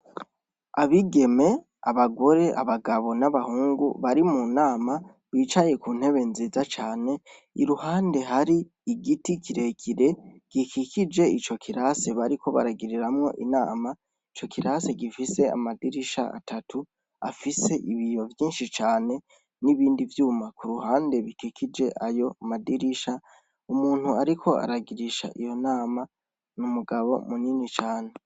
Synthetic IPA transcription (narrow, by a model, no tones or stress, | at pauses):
aβiɡe̞me̞ | a̰βaɡo̞ɾe̞ʔa̰βaɡaβo̞naβahuːŋɡṵβaɾimunaːma | βiːt͡ʃaje̞kuːn̥he̞βe̞nziːzat͡ʃaːne̞ | ḭɾuhaːnde̞ɦaɾi | iɡitikiɾe̞kʰiɾe̞ɡ̥ikʰikʰid͡ʒe̞it͡ʃo̞kʰiɾase̞βaɾikʰo̞βa̰ɾaɡiɾiɾamŋo̞̰ʔina̰ːma | it͡ʃo̞kiɾase̞ɡifise̞a̰madiɾiʃa̰a̰tʰatʰu | a̰fise̞ʔiβijo̞vjiːnʃit͡ʃaːne̞ | niβiːndivjuːmakuɾuhaːnde̞βikikʰid͡ʒe̞ʔajo̞amadiɾiʃa | umuːn̥huaɾikʰo̞a̰ɾaɡiɾiʃa̰ʔijo̞naːma | numuɡaβo̞̰muninit͡ʃaːne